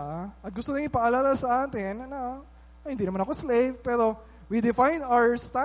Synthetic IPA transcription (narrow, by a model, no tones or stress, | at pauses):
ɐt̪̚ɡʊst̪onɪpɐʔɐlaːlasɐʔaːt̪ɪnːɐ | ʔɐjhɪnd̪iːnmanɐko̞slejvpɛːɾo̞ | wid̪ɪfajnawəɹst̪a